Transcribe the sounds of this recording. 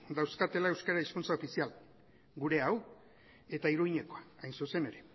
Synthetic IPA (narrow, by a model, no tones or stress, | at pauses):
d̪awskat̪e̞lae̞wskaɾaiskunt͡sao̞fisial | ɡuɾe̞aw | e̞t̪aiɾuɣiɲe̞ko̞aajnsuse̞ne̞ɾe̞